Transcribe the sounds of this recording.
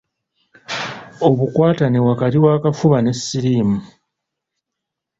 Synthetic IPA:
o̞βukwaːtanewakatiwaːkafuβane̞sːiɾiːmu

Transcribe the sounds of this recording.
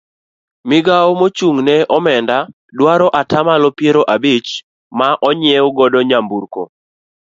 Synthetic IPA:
mɪɡaomot͡ʃuŋnɛʔɔmɛnda | dwaɾɔʔatamalɔpjeɾoʔabit͡ʃ | maʔɔɲɪɛoɡɔdɔɲambuɾko̰

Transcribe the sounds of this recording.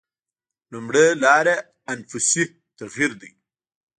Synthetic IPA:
lumɽelɑɾe | anfʊsi | t̪aɣiɾd̪ḭ

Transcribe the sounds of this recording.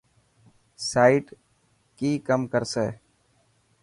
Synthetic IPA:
saːiːʈ | kiːkəmkəɾseː

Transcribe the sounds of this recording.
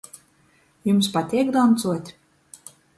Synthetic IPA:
jumspat̪ʲiɛɡd̪ɔnt̪suɔt̪ʲ

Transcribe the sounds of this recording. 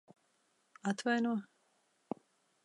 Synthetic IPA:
at̪vajnuɔ

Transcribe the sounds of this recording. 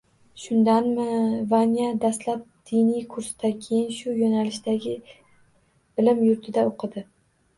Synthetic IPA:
ʃʊnd̪anmɪvanijad̪aslap̚d̪̥ɪnijkʰʊɾsɪd̪akʲʰejɪnʃʊjonalɪʃd̪aɡʲɪ | b̥ɪlɪmjʊɾt̪ʰɪd̪aoqʰɨd̪ɪ

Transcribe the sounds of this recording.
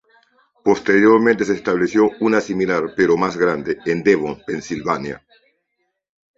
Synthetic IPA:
po̞st̪e̞ɾjoɾmẽnt̪e̞s̬eːst̪aβlesjo̞unasimilaɾpeɾo̞mazɣɾand̪eend̪eβompensilβanja̰

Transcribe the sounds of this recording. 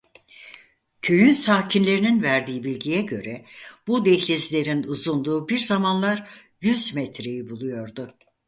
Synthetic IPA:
cʰø̞jynsaːcʰinlʲe̞ɾininvæɾd̪iːibilʲɟijɛɟø̞̰ɾɛb̥ud̪ɛçlʲezilʲe̞ɾinuzund̪uːbiɾzamanlˠaɾ | jyzmɛt̪ɾe̞jibulˠujo̞ɾd̪ʊ

